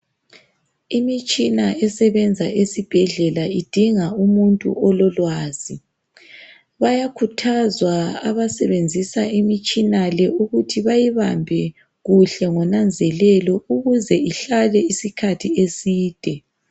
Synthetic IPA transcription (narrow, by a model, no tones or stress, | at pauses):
imit͡ʃʼinaɛsɛβɛnd͡zʱaʔesib̥ʱɛɮɛlaid̥ʱiŋaumuntʼṵɔlɔlwaːzi | βajakʰutʰazwaaβasɛβend͡zʱisaimit͡ʃʼinalɛuɣutʰiβajiβambʱɛ | ɣuɬɛŋɔnand͡zʱɛlɛlɔuɣuzɛiɬalɛisikʰatʰiesiːd̥ʱɛ